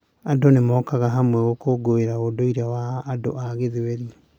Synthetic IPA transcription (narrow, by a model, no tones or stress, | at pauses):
adonemɔːkaɣaɦamwɛɣokoɡoeɾaodoiɾawaːdo̰ʔaɣeðewɛɾi